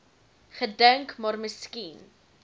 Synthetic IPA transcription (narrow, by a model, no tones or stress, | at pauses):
χədəŋkmɑːrməskin